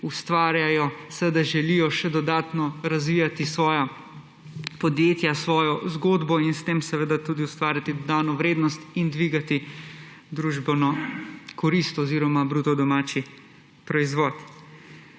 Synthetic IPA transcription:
ust̪ʋaːɾjajɔsɛʋed̪aʒɛlijɔʃɛd̪ɔd̪aːt̪nɔɾazʋiːjat̪isʋɔːja | pɔd̪jeːt̪jasʋɔːjɔzɡoːd̪bɔinst̪eːmsɛʋed̪at̪uːd̪iust̪ʋaːɾjat̪id̪ɔd̪aːnɔʋɾeːd̪nɔst̪ind̪ʋiːɡat̪i | d̪ɾuːʒbɛnɔkɔɾist̪ɔziːɾɔmabɾuːt̪ɔd̪ɔmaːt͡ʃi | pɾɔizʋɔːt̪

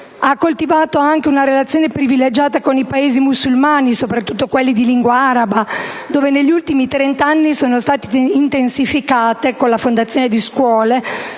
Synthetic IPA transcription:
akːolt̪ivaːt̪oaŋk̟eunaɾelat̪sjoːnepɾiviled͡ʒaːt̪akonipaeːzimusːulmaːnisopɾat̪ːut̪ːokwelːid̪iliŋɡwaaːɾabad̪oːveneʎːiult̪imit̪ɾent̪anːisoːnost̪aːt̪i̥int̪ensifikaːt̪ekolafond̪at̪sːjoːned̪iskwɔːle

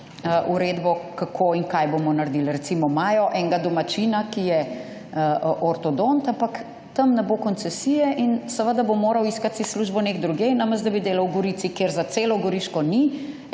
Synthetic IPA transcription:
ʔuɾeːd̪bɔkakʰoːiŋkajbomɔnaɾd̪ilɾɛt̪simɔmaːjɔʔɛŋɡad̪ɔmat͡ʃinakijɛ | ʔʔɔɾt̪ɔd̪ont̪ampak | t̪əmnɛbokɔnt̪sɛsijɛʔinsəʋəd̪abomoːɾɐwiskat̪sisːluʒbɔneɡd̪ɾuɡejnaməzd̪ɐbid̪eːlɐwɡɔɾiːt̪sikeːɾzat̪seːlɔɡɔɾiʃkɔni

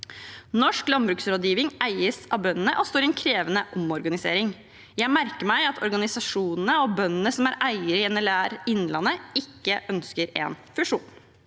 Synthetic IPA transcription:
nɔʂklɑnbɾʉːksɾoːd̪jiːʋɪŋæɪəsɑbœnːənəʔɔst̪oːɾɪɛnkʰɾeːʋənəʔɔmɔɾɡɑnɪsḛːɾɪŋ | jæɪmæɾkəɾmæɪɑt̪ʰɔ̰ɾɡɑnɪsɑʂuːnənəɔbœnːənəsɔmæɾʔæɪəɾəɪɛnəɭæːɾɪnːlɑnːəɪkːəʔœnskəɾɛ̰nfʉʂuːn

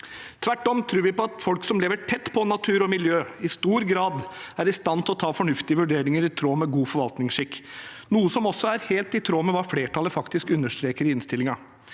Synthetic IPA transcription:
t̪ʰʋæʈːɔmt̪ʰɾʉːɾʋɪpɔɑt̪fɔlksɔmleːʋəʈʰɛt̪ːpʰɔnɑt̪ʰʉːɾɔmɪljøːɪst̪uːɾɡɾɑːd̪æɾɪst̪ɑnt̪ʰɔt̪ʰɑːfɔɳʉft̪ɪəʋʉɖeːɾɪŋəɾɪt̪ʰɾoːmɛɡuːfɔɾʋɑlt̪nɪŋʂɪkː | nuːəsɔmɔsːɔæɾheːlt̪ɪt̪ʰɾoːmɛʋɑːfleːʈɑləfɑkt̪ɪskʉnːəʂt̪ɾeːkəɾɪɪnst̪ɪlːɪŋɑ

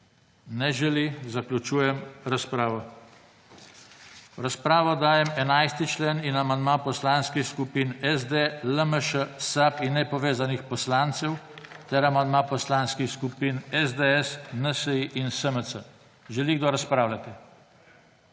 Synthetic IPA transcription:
nɛʒɛlizaklʲut͡ʃuːjɛmɾaspɾaːʋɔ | ɾaspɾaːʋɔd̪aːjɛmɛnajst̪it͡ʃleninamand̪mapɔslaːnskixskupiːnɛzd̪eləməʃəsapinːɛpɔʋeːzanixpɔslaːnt̪sɛwt̪ɛɾamand̪maːpɔslanskixskupinɛzd̪eɛsnəsəiʔinsəməsə | ʒɛliɡd̪ɔɾaspɾaːwlʲat̪ɛ

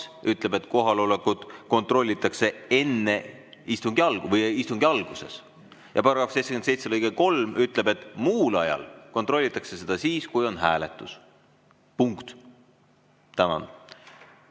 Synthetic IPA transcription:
ʔyt̪ˑle̞bet̪ːˑko̞ɦɑlo̞lekud̪̥ko̞nt̪ro̞lʲːit̪ːˑɑkse̞e̞nːe̞ | ist̪uŋɡ̥iɑlɡ̥uvɤjist̪uŋɡ̥iɑlɡ̥use̞̰s | jɑpɑɾɑɡɑfsej̪se̥kensejt̪selɤjɡeko̞lmyt̪ˑle̞be̞t̪ːˑmuːlɑjɑ̰lko̞nt̪ˑro̞lʲːit̪ːˑɑkse̞se̞d̪̥ɑsiːskujo̞nɦæːlet̪ːˑus | puŋkt̪ | t̪ænɑ̰n

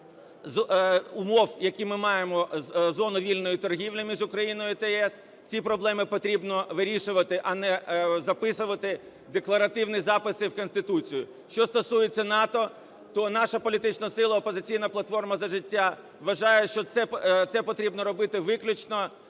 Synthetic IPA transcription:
zʊmɔwjɐkʲimɪmɑjemɔzɔnʊʋʲilʲnɔjit̪ɔrɦʲiʋlʲimʲiʒʊkɾɐjinɔjʊt̪ɛɛs | t͡sʲipɾɔblˠɛmɪpɔt̪ɾʲibnɔʋɪɾʲiʃʊʋɐt̪ɪʔɐnɛzɐpɪsʊʋɐt̪ɪ | d̪eklˠɐɾɐt̪ɪwnizɑpɪsɪwkɔnʲst̪ɪt̪ut͡sʲijʊ | ʃt͡ʃɔst̪ɔsujet͡sʲːɐnɑt̪ɔ | t̪ɔnɑʃɐpɔlʲit̪ɪt͡ʃnɐsɪlˠɐɔpɔzɪt͡sʲijnɐplˠɐt̪fɔrmɐzɐʒɪtʲːa | ʋʋɐʒɑjɛʃt͡ʃɔt̪sɛt̪sɛpɔt̪ɾʲibnɔɾɔbɪt̪ɪʋɪklʲʊt͡ʃnɔ

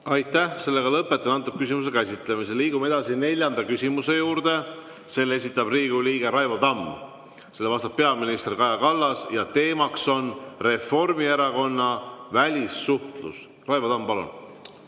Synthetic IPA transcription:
ɑjt̪ːæhse̞lːe̞ɡ̥ɑlɤpːˑe̞t̪ːˑɑnɑnt̪ːˑup̚kysʲimus̬ekæsʲit̪ˑle̞mis̬eliːɡ̥ume̞d̪̥ɑsine̞lʲjɑnd̪ɑkysʲimuse̞juːɾd̪̥e̞ | se̞lːes̬ʲit̪ːˑɑb̥riːɡ̥uliːɡ̥e̞ɾɑjvɑd̪ɑm | se̞lːe̞vɑst̪ɑp̚pe̞ɑminist̪rikɑjɑkɑlːɑsjɑt̪e̞ːmɑkso̞nre̞fo̞rmieɾɑko̞nːɑvælʲisːuht̪lṵs | rɑjvɑd̪ɑmpɑlṵn

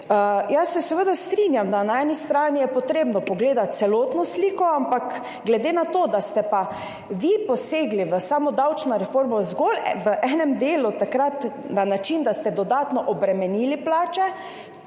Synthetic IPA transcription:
əjasːɛsɛʋəd̪ast̪ɾinjamd̪anaɛːnist̪ɾaːnijɛpɔt̪ɾeːbnɔpɔɡleːd̪at̪̚t̪sɛloːt̪nɔsliːkɔampak | ɡlɛd̪eːnat̪oːd̪ast̪ɛpa | ʋipɔseːɡliʋəsaːmɔd̪awt͡ʃnɔɾɛfoɾmɔzɡolʋəʔɛnɛmd̪eːlut̪akɾat̪ | nanat͡ʃind̪ast̪ɛd̪ɔd̪aːt̪nɔʔɔbɾɛmɛniːliplaːt͡ʃɛ

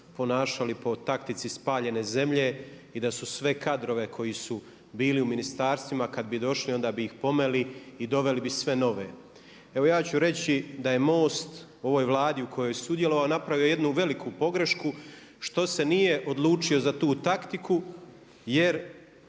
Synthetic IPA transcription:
po̞naːʃalipo̞t̪akt̪it̪sispaːʎe̞ne̞ze̞mʎe̞ | id̪asusʋe̞kad̪ɾo̞ʋe̞kʰo̞jisu | biːliuminist̪aːɾst̪ʋimakad̪̚bid̪o̞ʃlio̞nd̪aːbiːxpo̞me̞liːd̪o̞ʋe̞libisʋe̞no̞ʋe | e̞ʋo̞jaːt͡ɕuɾe̞t͡ɕid̪aje̞mo̞ːst̪ | o̞ʋo̞ːjʋlˠaːd̪iukʰo̞jojsud̪je̞lo̞ʋaonapɾaʋijoje̞d̪nuʋe̞likʰupo̞ɡɾe̞ʃku | ʃt̪o̞se̞nije̞ʔo̞d̪lˠuːt͡ʃio̞zat̪uːt̪akt̪iku | je̞ɾ

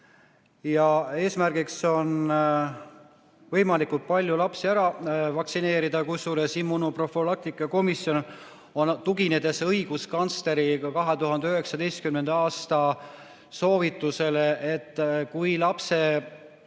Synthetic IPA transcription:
jɑe̞ːsmærɡ̥ikso̞n | vɤjmɑlikult̪̚pɑlʲjulɑpsiæɾɑvɑksine̞ːɾid̪̥ɑkusulesimːunuprofolɑk̚t̪ikˑːɑko̞misjo̞n | ont̪uɡine̞d̪̥e̞sɤjɡ̥uskɑnst̪e̞ɾikɑɦet̪uɦɑnd̪eyɦe̞ksɑd̪ejst̪̚kymnend̪̥ɑːst̪ɑ | so̞ːvit̪ːˑuse̞leʔet̪ːˑkujlɑpse̞

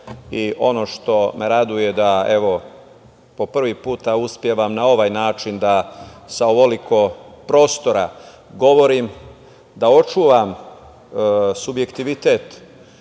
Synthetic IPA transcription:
iʔo̞no̞ʃt̪o̞mʔeɾad̪uje̞d̪aeʋo̞ | po̞pr̩ʋipuːt̪auspjeʋamnao̞ʋaːjnaːt͡ʃind̪asaoʋolikʰo̞pɾo̞ːst̪o̞ɾa | ɡo̞ʋo̞ɾim | d̪ao̞t͡ʃuːʋam | subje̞kt̪iʋit̪e̞ːt̪

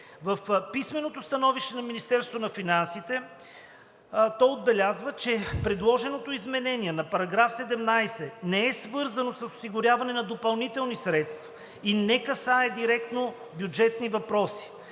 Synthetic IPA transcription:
vɐfpismɛnot̪ost̪ɐnɔviʃt̪ɛnɐminist̪ɛɾst̪vonɐfinansit̪ɛ | t̪ɔjod̪bɛlʲazvət͡ʃɛpɾɛd̪lˠɔʒɛnot̪oizmɛnɛniɛnɐpɐɾɐɡɾafsɛd̪ɛmnajsɛnɛɛsvɤɾzɐnosɐso̥siɡʊɾʲjavɐnɛnɐd̪opɐlˠnit̪ɛlˠnisɾɛt̪st̪vɐ̥ | inɛkɐsaɛd̪iɾɛkt̪no | bʲjud͡ʒɛt̪nivɐpɾɔsi̥

